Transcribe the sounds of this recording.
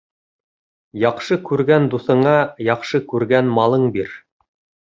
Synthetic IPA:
jɑqʃɤkʉɾɡænd̪uθɤ̆ɴɑjɑqʃɤkʉɾɡænmɑlˠɤɴbiɾ

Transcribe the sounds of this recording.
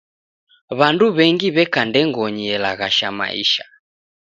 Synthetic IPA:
βanduβɛŋɡiβɛkandɛŋɡɔɲiɛlaɣaʃama̰ʔḭʃḁ

